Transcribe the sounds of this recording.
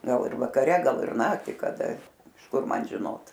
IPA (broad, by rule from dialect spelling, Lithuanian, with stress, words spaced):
ˈɡɐlˠ ɪr ʋɐkɐˈrʲɛ ˈɡɐlˠ ɪr ˈnɑːktʲiː kɐˈdɐ ɪʃ ˈkʊr ˈmɐn ʒʲɪˈnoːt